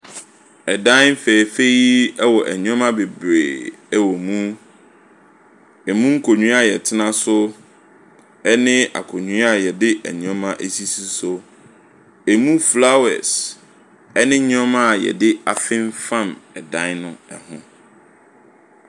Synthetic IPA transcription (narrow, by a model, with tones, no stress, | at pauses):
ɛ˨dã˦fɛː˨fe˦ji˦ɛ˦wɔ˨ʔæ˨ɲũ˦ɔ̃˦mã˦be˨bɾeː˨ɛ˦wɔ˨mũ˦ | ɛ˨mũ˦ŋ̩˦kʰo˨ɲũ˦a˦˨jɛ˨tʰɪ˦nã˦sʊ˦ | ɛ˦nɪ̃˦ʔa̰˨kʰo˨ɲũ˦a˦˨jɛ˨dɪ˦ʔæ̰˨ɲũ˨˦mã˦ʔæ˨si˦si˦so˦ | ɛ˨mũ˦fla˦wɛ̰˨s | ɛ˦nɪ̃˦ɲ˦ɔ̃˦mã˦a˨jɛ̰˨dɪ˦a˨fɪ̃˦ɱ˦fã˦˨mɛ˨dã˦nnʊ̃˦ɛ˨hʊ̃˦